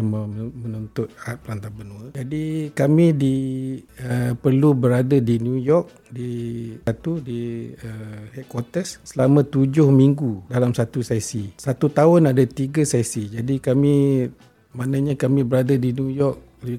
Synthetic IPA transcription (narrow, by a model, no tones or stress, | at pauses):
amamənunt̪ʊt̪̚at̪̚pəlant̪abənuəd͡ʒadikamĩdi | əpərlubəɾadadinjujɔk̚ | diat̪udiəhɛt̪̚kwɔt̪əsːəlamãt̪ud͡ʒʊhmiŋɡudalamsat̪usasisat̪ut̪aʊnadat̪iɡəsasid͡ʒadikamĩ | manaɲãkamĩbəɾadadinjujɔk̚ | l